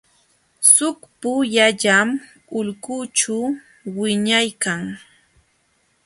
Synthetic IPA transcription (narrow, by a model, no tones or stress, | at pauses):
sʊkpʊjaʎam | ʊʎkʊt͡ʃa | wɪɲajkaŋ